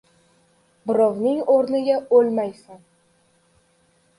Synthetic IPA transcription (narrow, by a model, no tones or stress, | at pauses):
bɪɾɒvnɪŋoɾnɪɡʲaolmajsan